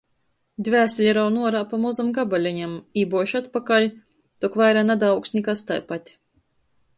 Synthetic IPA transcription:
d̪ʲvʲæːslʲɛɾawnuɔɾaːpamɔzamɡabalʲaɲamiːbuɔʃat̪pakalʲ | t̪ɔkvajɾanad̪awksnʲikast̪a̰jpat̪ʲ

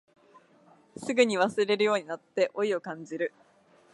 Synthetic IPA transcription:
sɨɡɯ̟ɲ̟iβasɨɾe̞ɾɯ̟jo̞ːɲ̟inat̪ːe̞ʔo̞io̞kãɲ̟d͡ʑiɾɯ̟

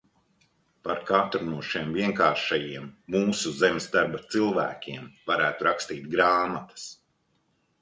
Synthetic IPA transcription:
paɾkat̪ɾunuɔʃiɛmviɛŋkaːɾʃajiɛmːuːsuzemsd̪aɾbat̪silˠvæ̰ːkʲiɛmvaɾæːt̪uɾakst̪iːt̪̚ɡɾaːmat̪ɐ̥s

